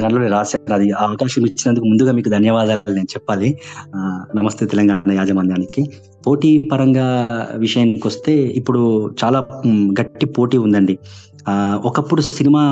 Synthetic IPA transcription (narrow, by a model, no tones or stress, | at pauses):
aɳɐloːneɾaːt͡ʃeɐnɐd̪iɐʋɐkaːʃɐmit͡ʃːinɐnd̪ukumund̪uɡaːmiːkud̪ʱɐnjɐʋaːd̪aːlːine̞ːnut͡ʃɛpːaːli | nɐmɐst̪et̪ɛlɐŋɡaːɳɐjaːd͡ʒɐmɐnjaːniki | po̞ːʈiːpɐɾɐŋɡaːʋiʂɐjɐnkʋɐst̪e̞ːipːuɽut͡ʃaːlaːɡɐʈːipo̞ːʈiːund̪ɐɳɖi | ɔkɐpːuɽusinimaː